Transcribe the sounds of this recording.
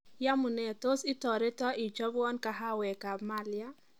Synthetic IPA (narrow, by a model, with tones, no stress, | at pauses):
ja˦mu˨nɛ˨to˦si˦tɔ˨ɾɪ˦tɔ˦ʔi˨d͡ʒɔ˦bɔ˦nka˨ɦa˦wɛ˨ka˨ma˦lja˦